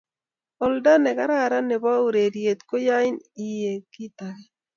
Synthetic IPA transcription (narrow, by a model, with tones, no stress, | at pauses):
ɔ˨lda˦nɛ˨ka˦ɾa˦˨ɾa˦nɛ˨ba˦u˨ɾe˨ɾje˨t̪ko˦ja˦ɪ˦ni˦je˨ki˦t̪a˨ɡe˦